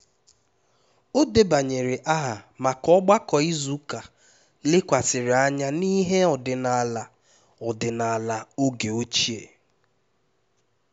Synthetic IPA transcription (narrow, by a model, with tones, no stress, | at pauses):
o˦de˦ba˨ɲe˨ɾɪ˨ʔa˦ɦa˨ma˨kɔ˦ɡ͡ba˦kɔ˨i˦zu˦ka˨ | lɪ˦kʷa˨sɪ˨ɾɪ˨a˦ɲa˦ni˦ɦe˦ɔ˨dɪ˨na˨la˨ | ɔ˨dɪ˨na˨la˨o˦ɡe˨o˦t͡ʃi˦ḛ˨